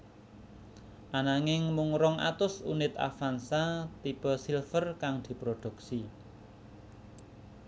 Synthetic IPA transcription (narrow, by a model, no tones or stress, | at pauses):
ʔanaŋɪŋmʊŋɾɔŋʔa̰t̪ʊsṵnɪt̪a̰fansat̪ib̥ɔsilfərkaŋd̪̥i̤pɾod̪̥ṳksi